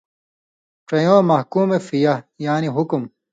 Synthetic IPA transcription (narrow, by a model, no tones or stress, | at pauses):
ʈ͡ʂɐjõːmɐhkuːmefijɐjaːniɦukum